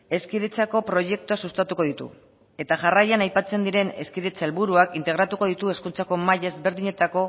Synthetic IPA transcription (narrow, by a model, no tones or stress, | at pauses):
e̞skiðet͡sako̞pɾo̞ʝe̞k̚t̪uasust̪at̪uko̞ðit̪ṵ | e̞t̪aʝarajanajpat͡se̞nd̪iɾe̞ne̞skiðet͡saelβuɾuakint̪eɣɾat̪uko̞ð̞it̪ue̞skunt͡sako̞maʎezβe̞ɾðiɲe̞t̪ako̞